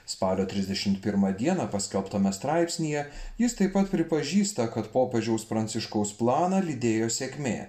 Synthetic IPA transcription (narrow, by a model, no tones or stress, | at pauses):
spɑːlʲoːt̪ʲɾʲɪzʲd̪ʲɛʃʲɪmt̪̚pʲɪɾmɐd̪ʲiɛnɐpɐsʲkʲɛlˠpt̪ɐmʲɛst̪ɾɑɪpʲsʲnʲijɛjɪst̪ɐɪpːɐt̪pʲɾʲɪpɐʒʲiːst̪ɐkɐt̪poːpʲɛʒʲɛʊspɾɐnʲt̪ʲɪʃkɐʊsplˠɑːnɐlʲɪd̪ʲeːjoːsʲeːkʲmʲḛː